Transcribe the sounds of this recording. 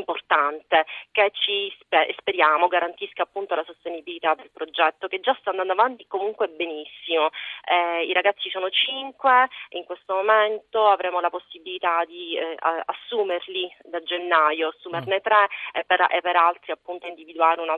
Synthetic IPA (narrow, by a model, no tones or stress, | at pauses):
mport̪ant̪ek̟et͡ʃːispespeɾjaːmoɡaɾant̪iskaːpːunt̪olasost̪enibilit̪ad̪elpɾod͡ʒɛt̪ːoked͡ʒːast̪and̪and̪oavant̪ikomuŋkweɛbenisːimoɛiɾaɡat̪sːisoːnot͡ʃiŋkweiŋkwest̪omoment̪oavɾʔɛːmolaposːibilit̪ad̪ia̰sːuːmerlid̪ad͡ʒenːajoasːuːmernet̪ɾepːeɾḛpːeɾalt̪ɾiapːunt̪oind̪ivid̪uaːɾeuna